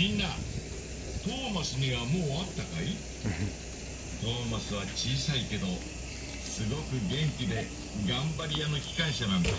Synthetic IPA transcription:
ĩnːa | t̪o̞ːmasɨɲ̟iβamoːat̪ːakai | t̪o̞ːmasɨβ̞at͡ɕiːsaike̞d̪o̞ | sɨɡo̞kɯ̟ɡẽ̞ŋkʲid̪e̞ | ɡãmbaɾʲijano̞kʲi̥kãɰ̃ɕanãnd̪a

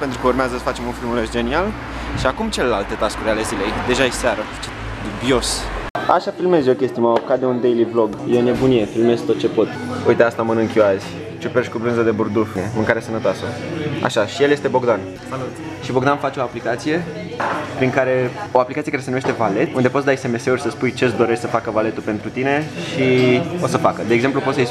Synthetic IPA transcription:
pe̞nt̪ɾukəurmeazəsə̥fat͡ʃemunfilmuleʃd͡ʒe̞nial | ʃiakumt͡ʃe̞lelalt̪e̞t̪askuɾeale̞zile̞jd̪e̞ʒaesaɾə̥t͡ʃet̪ | d̪ubio̞sa̰ʃafilme̞zjokʲe̞st̪ijumawopokat̪d̪eund̪ejliblo̞ɡjeone̞bunijefilme̞zt̪o̞t̪̚t͡ʃe̞po̞t̪ujt̪east̪amənɨŋkʲoazʲ | t͡ʃupeʃʲkubɾɨnzəd̪e̞burd̪ufnemɨŋkaɾesənət̪oasəa̰ʃaʃijeljest̪ebo̞ɡd̪an | slut̪ | ʃibo̞ɡd̪anfat͡ʃʲo̞aplikat̪sije̞ | pɾiŋkaɾe̞o̞aplʲikat̪iekaɾesenumeʃt̪e̞vale̞t̪und̪e̞pot̪sd̪ajese̞me̞se̞urʲsəspujt͡ʃesd̪o̞ɾe̞ʃsəfakəvale̞t̪upe̞nt̪ɾut̪ine̞ʃio̞səfakəd̪eːɡze̞mplupot̪sj

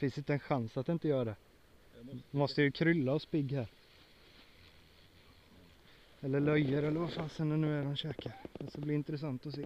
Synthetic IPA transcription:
fɪnsɪnt̪əɛnɧansat̪̚ɪnt̪əjœːɾad̪ɛ | mɔst̪əjʉkʰɾʏlːaɔspɪɡːhæːɾ | ɛlːəɭœjːəɾɛlːəɾvafaːnsɛnːɛnʉ̟ːæɖɔmɕøːkəɾsablɪɪnt̪ɾɛs̬ant̪ɔseː

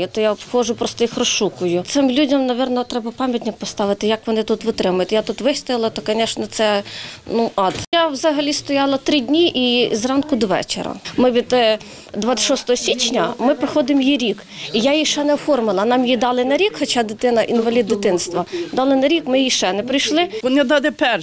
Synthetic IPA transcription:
ʊt̪ɔjapxɔʒʊpɾɔst̪ɔixrɔʃukʊjʊt̪sɪmlʲudʲɐmnɐʋʲɛrnɔt̪ɾɛbɐpɑmʲjɐtʲnʲɐk̚pɔst̪ɑʋɪt̪ɪjɐkʋɔnɪt̪ut̪ʋɪt̪ɾɪmʊjʊt̪ʲjat̪ut̪ʋɪst̪ɔjɪlˠɐt̪ɔkɐnʲɛʃnɛt̪sɛnuʔɑt̪jawzɐɦɐlʲist̪ɔjɑlˠɐt̪ɾɪdʲnʲiʔizrɑnkʊd̪ɔʋɛ̰t͡ʃḛɾɐ̰mɪʋʲid̪ | d̪ʋɑɪ̥ʃɔst̪ɔɦɔsʲit͡ʃnʲɐmɪpɾɪxɔd̪ɪmjiɾʲik | ijajiʃɛnɛɔfɔrmɪlˠɐnɑmjid̪ɑlˠɪnɐɾʲikxɔt͡ʃɑd̪ɪt̪ɪnɐʔinʋɐlʲid̪̚ːɪt̪ɪnst̪ʋɐd̪ɑlˠɪnɐɾʲikmɪjiʃɛnɛpɾɪjʃlˠɪɔnʲɛd̪ɑd̪ɛpɛr

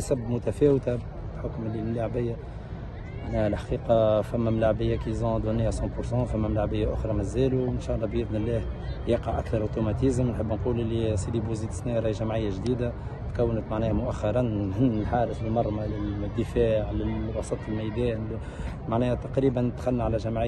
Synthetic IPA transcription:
sæbːmʊt̪æfɛːwt̪a | ħʊkmɪlːilːaʕbɪjːa | maʕnɛːhælħḁqiːqɑfæmːæmlaʕbɪjːakizɔ̃d̪uniːhasˤɑ̃pʊɾsɑ̃fæmːæmlaʕbɪjːaʔʊxɾˤɑmæzːæːluɪnʃɑːʔɑlˤːɑbjɪdnɪlːɛːhjɑqɑʕʔæ̰kθɑɾˤʔot̪umɑt̪izmnħəbːnquːlʔɪlːisid̪ibuziːt̪snɛɾˤɑjʒæmʕɪjːaʒd̪iːd̪a | t̪kæwːənət̪maʕnɛːhmʊʔæxːɑɾˤɑnnːɪlħaːɾəθɪlmɑɾˤmalɪd̪ːəfaːʕlɪlwɑsˤɑt̪ˤɪlmæjd̪ɛːn | maʕnɛːhæt̪ɑqɾiːbænt̪xælːʕalæʒæmʕɪ

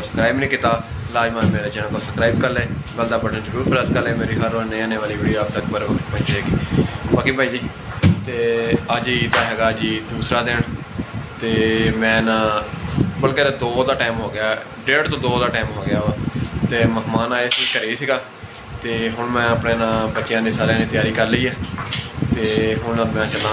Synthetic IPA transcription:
səbsə̥kɾaːibnĩːkɪt̪aː | laːd͡ʒmaːnmɛ̃ːnẽːt͡ʃɛːnãːk̪oːsəkɾaːibkəlɛ̃ːɡəld̪aːbəɽãːd͡ʒəɾuːɾpʰəɾəd̪kəlɛːmeːɾiːɦəɾonẽːãːneːʋaːliːʋeːɽiːaːb̚t̪əkpəɾpənt͡ʃeːɡiːbaːkeːbʱaːiːd͡ʒiː | t̪eːəd͡ʒit̪aːɦɛːɡaːəd͡ʒiːd̪uːsɾaːd̪eːɳ | t̪eːmɛ̃ːnãː | bəlkeːd̪oːd̪aːʈaːɪmɦoːɡɪjaː | ɖeːɖt̪õːd̪oːd̪aːʈaːɪmɦoːɡɪjaːʋaːt̪eːməɦmaːnaːeːsikəɾeːiːsiːɡaː | t̪eːɦʊɳmɛ̃ːəpɳeːnãːbət͡ʃːjãːd̪iːsaːɾjãːnĩːt̪jaːɾiːkəɾləiːɛːt̪eːɦʊɳmɛ̃ːt͡ʃəlãː

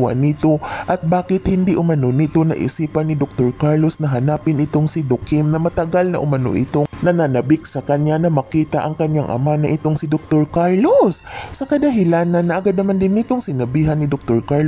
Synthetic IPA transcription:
a̰nɪt̪o̞ʔɐt̪̚baːkɪt̪hɪnd̪iʔʊmɐnonɪt̪o̞nɐ̰ʔɪ̰siːpɐnːɪd̪ok̚t̪oɹkaɹlo̞snɐɦɐnaːpɪnɪt̪oŋsɪd̪okɪmnɐmɐt̪ɐɡalnɐ̰ʔʊmɐno̰ʔɪ̰t̪onɐnanɐbɪk̚sɐkɐɲanɐmɐkiːt̪ɐʔɐŋkɐɲaŋʔɐ̰manɐʔɪt̪oŋsɪd̪ok̚t̪oɹkaɹlosːɐkɐd̪ɐɦɪlanːɐnːɐʔɐɡad̪̚nɐmand̪ɪnːɪt̪oŋsɪnɐbiːɦɐnːɪd̪ok̚t̪oɹkaɹl

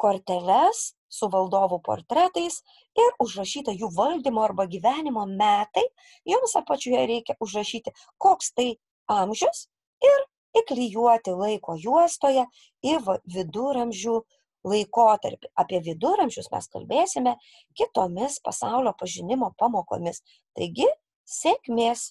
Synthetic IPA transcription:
koːrʲt̪ʲɛlʲɛs | sʊʋɐlˠd̪oːʋʊpo̰ːrt̪ʲɾʲæːt̪ɐɪs | ɪɾʊʒrɐʃʲiːt̪ɐjuːʋɐlʲd̪ʲiːmoːɐrbɐɡʲiːʋʲæːnʲɪmoːmʲæːt̪ɐɪ | jomsɑpɐt͡ʃʲujɛɾʲɛɪkʲɛʔʊʒrɐʃʲiːt̪ʲɪ | koːkst̪ɐɪ | ɐmʲʒʲʊs | ɪɾ | ɪklʲɪjuɔt̪ʲɪlˠɐɪkoːjuɔst̪oːjɛ | ɪʋɐʋʲɪd̪ʊɾɐmʲʒʲuː | lˠɐɪkoːt̪ɐ̰ɾʲpʲɪɐːpʲiɛʋʲɪd̪ʊɾɐmʲʒʲʊsmʲɛ̰skɐ̰lʲbʲeːsʲɪmʲɛ | kʲɪt̪oːmʲɪspɐ̰sɐʊlʲoːpɐʒʲɪnʲɪmoːpɑːmoːko̰ːmʲɪs | t̪ɐ̰ɪɡʲɪ | sʲekʲmʲeːs

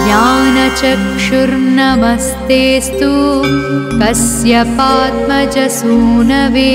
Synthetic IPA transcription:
jaːnɐt͡ʃɐkʂuɾnɐmɐst̪eːst̪u | kɐsjɐpaːt̪mɐt͡ʃɐsuːnɐʋeː

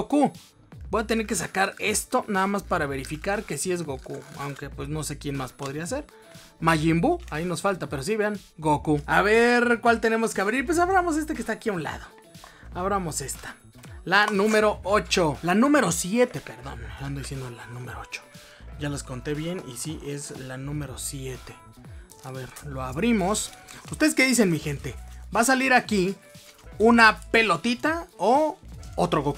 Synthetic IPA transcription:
oku | bojat̪e̞ne̞ɾke̞s̬akaɾe̞st̪o̞naðamaspaɾaβe̞ɾifikaɾke̞sie̞zɣokua̰wŋke̞pwe̞sno̞se̞kje̞nmaspo̞ð̞ɾiase̞ɾ | maʝimbuaino̞sfalt̪ape̞ɾos̬iβeaŋɡokuaβeɾkwalt̪e̞ne̞mo̞skeaβɾiɾp̬wes̬aβɾamo̞s̬e̞s̬t̪ekest̪aːkiaunla̰ðo̞ | aβɾaamo̞se̞st̪ḁ | lanũme̞ɾoot͡ʃo̞lanũme̞ɾo̞sje̞t̪e̞pe̞ɾðo̞̰neand̪oðisjend̪olanũmeɾoot͡ʃo̥ | ɟ͡ʝalasko̞nt̪e̞βje̞nḭsiʔe̞zlanũme̞ɾo̞sje̞t̪e̞̥ | aβe̞ɾlo̞aβɾimo̞sust̪e̞ðeske̞ðis̬e̞nmixe̞nt̪e̞basaliɾaki | unape̞lo̞t̪it̪aoot̪ɾoko

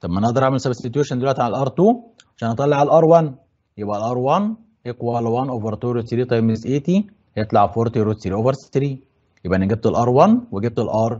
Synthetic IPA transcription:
t̪ɑbmʔænʔɑʔd̪ˤɑɾˤaʕmelsæbset̪juʃænd̪elwæʔt̪iʕallʔɑɾˤt̪uː | ʕaʃæːnʔɑt̪ˤɑlːeʕalʔɑɾˤwæn | jebʔælʔɑɾˤwɑn | ʔekwælwænʔoveɾˤt̪uɾut̪siɾiːt̪ˤɑjmezʔeːt̪i | jet̪ˤlaʕfoɾt̪iɾut̪siɾiʔoveɾst̪ɾiː | jebʔænæɡæb̚t̪elʔɑɾˤwɑnweɡeb̚t̪elʔɑːɾˤ

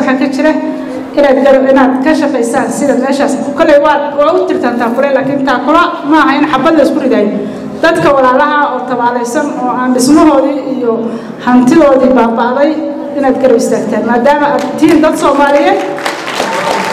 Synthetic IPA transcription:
wħɑːkʰɐt͡ʃɪɾɐ | ʔɪnaːd̪ɡɐɾɐbɪnaːd̪kʰɐʃɐfɛjsaːnsɪðɐːd̪mɛːʃaːsʊkʰɐlɛjwɑd̪ːʊt̪ʰɪrt̪ʰaːnt̪ʰaːmbʊɾɛjlaːkʰɪːnt̪ʰaːkʰʊlɐmɐːɦɐɪnɐħɑbɐd̪lɐɪskʰʊrɪðaːj | d̪̥ɐd̪kʰɐwɑlaːlɐɦɐɔːt̪ʰɐβaːlɛjsɐnɔːaːnɖɪsmɔɦɔːðiːjɔ | hɐnt̪ʰɪðɔːðibaːbaːðɛj | ɪnaːd̪ɡɐɾɐbɪst̪ʰaːɡt̪ʰaːnmaːd̪aːmɐʔad̪t̪ʰiːnd̪ɐd̪sɔːmaːlɪjɛːd̪

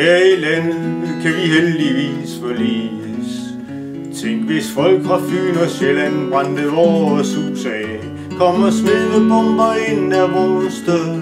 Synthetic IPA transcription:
hæɐilænəð̩ˠkʰæʋiɦeld̥iʋḭːsfɒlḭːəs | t͡sʰeŋ̰ɡ̥ʋe̝sfɒ̽l̰ɡ̥ʋɑ̈fy̰ːnɒselænʁɑnd̥əð̩ˠɒːɒsusɛː | kʰɒ̽mɒsmeðəb̥ɒmb̥ɐe̝næʋɒːsd̥eðˠ

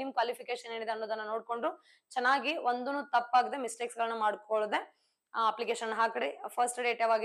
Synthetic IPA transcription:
nimkʋaːlipʰikeːʃɐnːeːɽid̪eɐnːoːd̪ɐnːɐnoːɽkoɳɖu | t͡ʃɛnːaːɡiond̪unut̪ɐpːaːɡid̪emisʈeksɡɐɭɐnːumaːɽkoɭud̪e̞ | ɐplikeːʃɐnːɦaːkɐɽipʰɐɾsʈɖe̞ːʈaʋaːɡi

